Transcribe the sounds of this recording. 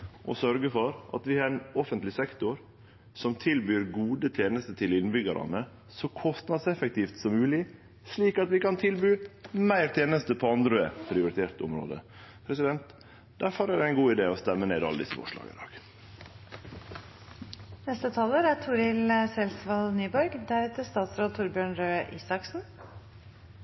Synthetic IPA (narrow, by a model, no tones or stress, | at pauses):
ʔɔsœɾɡəfɔɾʔɑ̰t̪ʋɪhɑɾɛnɔfənt̪lɪsɛkt̪ʊɾ | sɔmt̪ʰɪlbyːɾɡuːd̪ət̪ʰeːnəst̪ət̪ʰɪlɪnbʏɡɑɾʔɑ̰nə | sɔkʰɔst̪nɑd̪sɛfəkt̪iːft̪sɔmːʉːlɪ | sɭiːkɑt̪ʋɪkɑnt̪ʰɪlbyːmæɪɾt̪ʰeːnəst̪əpʰɔɑnd̪ɾʉḛpʰɾɪʊɾɪt̪ʰeːɾt̪ʊ̰mɾo̰ːd̪ə̰ | pʰɾɛsɪd̪ɛnt̪ | d̪̥æɾfɔɾæɖɛæɪnɡuːɪd̪eːɔst̪ɛmːəneːd̪ɑ̰ləd̪ɪ̰sːəfɔ̰ʂlɑ̰ːɡə̰ɪ̰d̪ɑ̰ːɡ̥ | nɛst̪ət̪ʰɑːləɾæt̪ʰuɖɪləsɛlsʋɑlnyːbɔɾɡd̪æɾʉːt̪əst̪ɑːt̪sɾoːlt̪ʰʊɾbjøːɳɾøːʔiːsɑksn̩